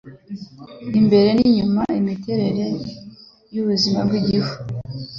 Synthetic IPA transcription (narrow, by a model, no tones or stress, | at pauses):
imbe̞ɾe̞niɲumaimite̞ɾe̞ɾe̞ | juβuzimabɡiɟifu̥